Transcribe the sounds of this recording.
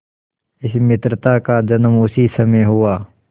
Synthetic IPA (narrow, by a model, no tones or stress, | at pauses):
ɪsmɪt̪ɾət̪akad͡ʒɐnəmʊsisɐmeɦʊwaː